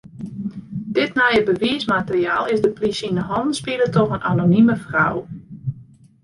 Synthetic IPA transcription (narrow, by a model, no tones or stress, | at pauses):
d̥ɪtnajəbəʋiəsmatərjaːlˠɪzdəplisinəɦɔndnspiələtɔxənʔanoniməfraw